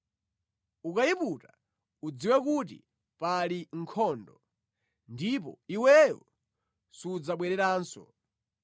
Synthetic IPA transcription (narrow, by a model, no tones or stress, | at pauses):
ukaiputa | ud͡ziwɛk̬utḭ | paliŋ̩kʰɔːndɔ | ndipɔ̰iwɛjɔ̰ | sud͡zaɓwɛɾɛɾaːnsɔ̰